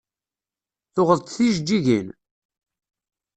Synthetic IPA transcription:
θʊʁəðˤt̪θiʒd͡ʒːiʝin

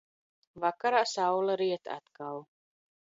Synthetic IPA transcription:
vakaɾaːsawlˠaɾiɛt̪a̰t̪kal

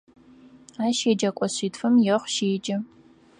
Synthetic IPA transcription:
aːʃeːd͡ʒɐkʷʼɔɕiːtfɐmjɛχʷʃeːd͡ʒʼɐ

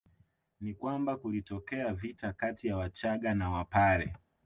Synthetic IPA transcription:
nikwambakulitɔkɛavitakatijawat͡ʃaɠanawapaɾɛ̰

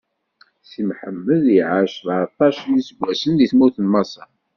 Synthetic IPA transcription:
simħəmːəðiʕaʃðɑt̪ˤːɑʃlisəɡʷːæsənðiθmuθənmɑsˤɑ

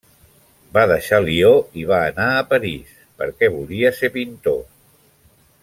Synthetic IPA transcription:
baðəʃalioiβ̞aːnaəpəɾis | pə̰ɾkɛβuliəsepint̪o

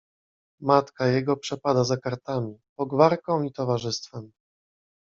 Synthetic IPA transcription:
mat̪kajɛɡɔpʂɛpad̪azakaɾt̪amʲipɔɡvaɾkɔ̃w̃it̪ɔvaʐɘst̪fɛm

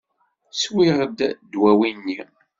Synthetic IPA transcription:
swiʁəd̪d̪wæwinːi

